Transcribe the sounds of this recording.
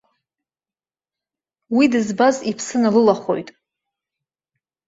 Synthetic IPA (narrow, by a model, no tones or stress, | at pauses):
widɨzbazipʰsɨnalɨlaχo̞̰jtʼ